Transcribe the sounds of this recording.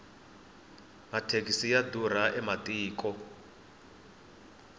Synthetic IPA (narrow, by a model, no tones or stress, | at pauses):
matʰek̬ʼisijadur̤aʔɛmatʼiːkʼɔ